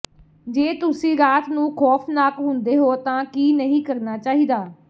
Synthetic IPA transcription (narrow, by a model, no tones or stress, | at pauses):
d͡ʒeːt̪ʊsĩːɾaːt̪nũːkʰɔːpʰnaːkɦʊnd̪eːɦoːt̪ãːkiːnəɦĩːkəɾnaːt͡ʃaːɦiːd̪aː